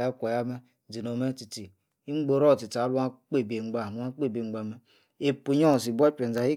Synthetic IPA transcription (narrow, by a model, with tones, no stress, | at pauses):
ja˦kʷa˨ja˦me˦ | di˨no˨me˦ti˨ti˨ | i˦ŋ͡m̩˦ɡ͡bo˨ɾo˦˨ti˨ta˨˦lu˦a˦k͡pe˦˨be˨ŋ͡m̩˨˦ɡ͡ba˦˨˦a˦k͡pe˦˨be˨ŋ͡m̩˦ɡ͡ba˨me˦ | e˨pu˨ɲo˦˨s̬i˨bʷa˦pe˨n˨za˨hi˦